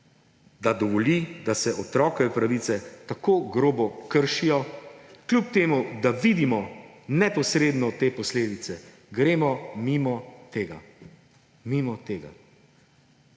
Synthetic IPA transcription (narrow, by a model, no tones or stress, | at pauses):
d̪ad̪ɔʋɔlid̪asɛʔɔt̪ɾɔːkɛɛpɾaʋiːt̪sɛt̪akoːɡɾoːbɔkəɾʃijɔklʲup̚t̪eːmud̪aʋid̪imɔnɛpɔsɾeːd̪nɔt̪eːpɔsleːd̪it̪sɛ | ɡɾeːmɔmimɔt̪eːɡa̰ | mimɔt̪eːɡa̰